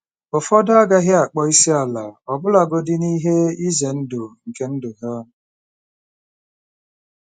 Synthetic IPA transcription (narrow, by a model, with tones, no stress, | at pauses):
ʊ˨fɔ˦da˦ɡa˦ɦɪ˦a˨k͡pɔ˦i˦si˦a˨la˨ɔ˨bʊ˦la˨ɡo˦dɪ˦ni˦ɦe˦i˦ze˨n̩˦dʊ˨ŋ̩˨ke˦n̩˦dʊ˨ɦɔ˦